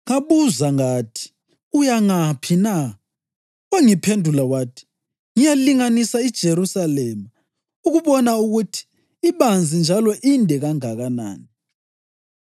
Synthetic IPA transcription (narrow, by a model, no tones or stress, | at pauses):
ŋaβuzaŋaːtʰi̥ | ujaŋapʰina | waŋipʰendʱulawaːtʰi̥ | ŋijaliŋanisaid̥ʒ̥ʱeɾusalɛːma | uɣuβɔnauɣutʰi̥ː | βand͡zʱind͡ʒʱalɔʔindʱɛɣaŋaɣana̰ːni